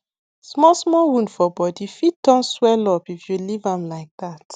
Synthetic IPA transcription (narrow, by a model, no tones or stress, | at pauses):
smɔsmɔwũndfɔbɔdifit̚dɔ̃nswɛlɔpifjulivãmlaɪk̚dat